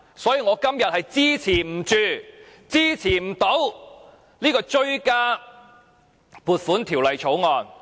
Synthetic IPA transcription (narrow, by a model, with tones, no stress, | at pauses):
sɔː˨˥jiː˨˧ŋɔː˨˧kɐ˥mjɐ˨t̚hɐ˨jt͡siː˥t͡sʰiː˨˩m̩˨˩t͡ʃyː˨˧t͡siː˥t͡sʰiː˨˩m̩˨˩t̪o˨˥w | liː˥kɔː˧t͡ʃɵ˥ɥkaː˥ | puː˨˩t̚fuː˨˥nt̪ʰiː˨˩wlɐ˨jt͡ʃʰo˨˥wŋɔː˧n